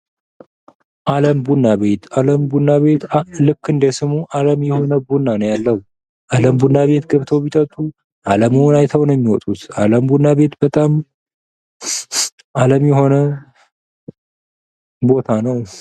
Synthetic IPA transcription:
ʔaləmbunːaβe̞t̪ʰaləmbunːaβe̞t̪lɨkːɨnd̪esɨmuʔaləmjɛho̞nəbunːanəwjalːəhu | ʔaləmbunːaβe̞t̪ɡəβt̪ʰo̞βit̪ʰət̪ʼːu | ʔaləmɨwnajt̪ʰəwnəjmːiwɔt̪ʼut̪aləmbunːaβe̞t̪bət̪ʼam | ʔaləmjɛho̞nə | bo̞t̪ʰanəw

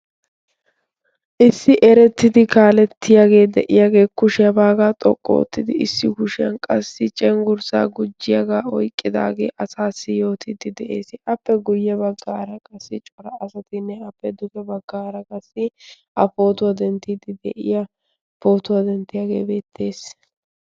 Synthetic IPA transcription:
ʔɪsːɪʔɛɾɛt̪ːɪd̪ɪkaːlɛt̪ʰːɪjaːɡe̞ːd̪ɛʔɪjaːɡe̞ːkʊʃɪjɐbaːɡaːt̪ʼɔkʼːo̰ːt̪ːɪd̪ɪɪsːɪkʊʃɪjɐnkʼɐsːɪt͡ʃʼɛŋɡʊɾsa̰ːɡʊd͡ʒːɪjɐɡaːɔjkʼːɪd̪a̰ːɡe̞̰ːʔɐsaːsːɪjo̞ːt̪ʰɪd̪ɪd̪ɛʔe̞̰ːsɪʔɐpːɛɡʊjːɛbɐɡːaːɾɐkʼɐsːɪt͡ʃʼɔɾɐɐsɐt̪ɪnːɛɐpːɛd̪ʊkɛbɐɡːaːɾɐkʼɐsːɪ | ʔɐpo̞ːt̪ʊwɐd̪ɛnt̪ːɪd̪ɪd̪ɛ̰ʔɪ̰jɐ | po̞ːt̪ʊwɐd̪ɛnt̪ːɪjaɡe̞̰ːbe̞ːt̪ʰːe̞ːs

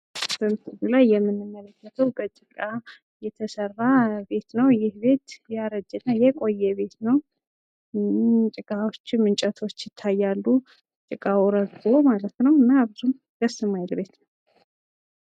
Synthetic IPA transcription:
sɨmt̪ɨɡulajːɛmːɨnːɨmːələkːət̪ʰəwbət͡ʃʼɨkʼa | jɛt̪ʰəsərːabe̞t̪nəwjɪhbe̞t̪jaɾəd͡ʒːɨnːajɛkʼo̞jːɛβe̞t̪nəw | t͡ʃʼɨkʼawo̞t͡ʃːmɨnt͡ʃʼət̪ʰo̞t͡ʃːjɪt̪ʰːajːalːu | t͡ʃʼɨkʼawuɾəɡo̞malət̪nəwɨnːaːbzum | ɡəsɨmajlbe̞t̪nəw

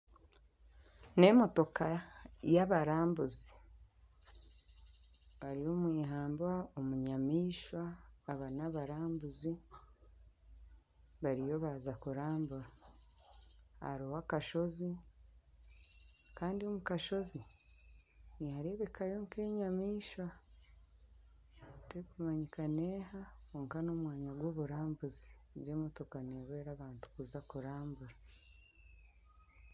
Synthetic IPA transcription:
ne̞mo̞to̞kajaβaɾaːmbuzi | βaɾijo̞mwiːɦaːmbwaomuɲamiːʃwaːβanaβaɾaːmbuzi | βaɾijo̞βazakuɾaːmbuɾa | a̰ɾowakaʃo̞zi | kaːndio̞mukaʃo̞zi | nijaɾe̞βe̞kajo̞ŋke̞ːɲamiːʃa | tekumaɲikaneːɦaoːŋkano̞mwaːɲaɡwo̞ːβuɾaːmbuziɟe̞ːmo̞to̞kaneβweːɾaːβaːntu̥kuzakuɾaːmbuɾa

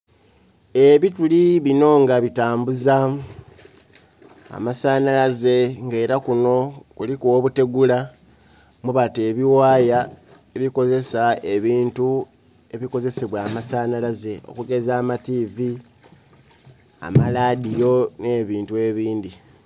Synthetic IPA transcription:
e̞βituliβino̞ŋɡaβitaːmbuza | masanalaze̞ŋɡe̞ːɾakuno̞kulikuoβute̞ɡula | muβate̞ːβiwaːja | e̞βiko̞ze̞sae̞βiːntu | e̞βiko̞ze̞seβwaːmasaːnalaze̞o̰kuɡe̞zaːmativi | a̰maladijo̞ne̞ːβiːntue̞βiːndi

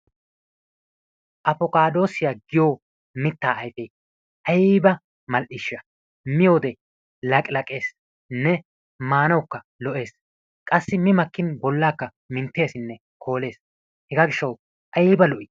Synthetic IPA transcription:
ʔɐpɔkaːd̪o̞ːsɪjaːɡɪjoː | mɪt̪ːaːɐjfɛj | ʔɐjːbɐ | mɐlʔɪʃːɐ | mɪjo̞ːd̪ɛ | lɐkʼlɐkʼe̞ːs | nɛ | maːnɐwkːɐ | lɔʔe̞ːs | kʼɐsːɪmɪmɐkːɪnbɔlːaːkːɐ | mɪnt̪ːe̞ːsɪnːɛ | kʰo̞ːle̞ːs | hɛɡaːɡɪʃːɐw | ʔɐjiːbɐlɔʔɪ

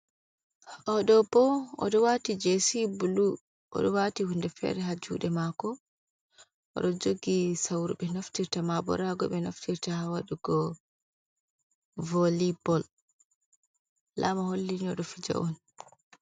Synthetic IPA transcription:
ʔɔɗɔbɔɔ̰ɗɔwatid͡ʒesibulu | ʔɔ̰ɗɔwatihundɛfɛ̰ɾɛɦad͡ʒṵːɗɛmakɔ | ɔ̰ɗɔd͡ʒoɡisawɾuɓɛnoftiɾtamabɔ̰ɾaɡɔɓɛnoftiɾtaawaɗuɡɔ | volibɔl | lamaholːiniɔɗɔfid͡ʒa̰ʔɔn

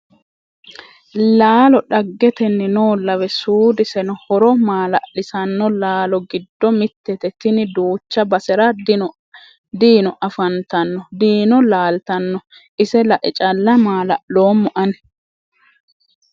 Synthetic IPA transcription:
laːlɔɗɐɡːɛt̪ɛnːɪnoːlːɐwɛsuːd̪ɪsɛnɔhɔɾɔmaːlɐʔlɪsɐnːɔlaːlɔɡɪd̪ːɔmɪt̪ːɛt̪ɛt̪ɪnɪd̪uːt͡ʃːɐbɐsɛɾɐ | d̪iːnɔʔɐfɐnt̪ɐnːɔd̪iːnɔlaːlt̪ɐnːɔ | ʔɪsɛlɐʔɪt͡ʃʼɐlːɐmaːlɐʔloːmːɔʔɐnɛ

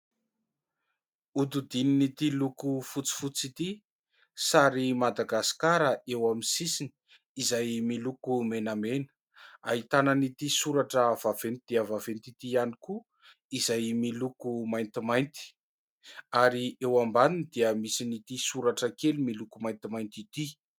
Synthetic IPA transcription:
ud̪ud̪ininit̪ilukufut͡si̥fut͡sit̪i | saɾimad̪aɡasi̥kaɾəʔewamisisini̥ | izajmilukumenamenə̥ | aɦit̪anənit̪isuɾaʈ͡ʂəv̥av̥end̪̥iəvavent̪it̪ianiku | izajmilukumajnt̪imajnt̪i̥ | aɾiewambaninid̪iəmisinit̪isuɾaʈ͡ʂəkelimilukumajnt̪imajnt̪it̪i

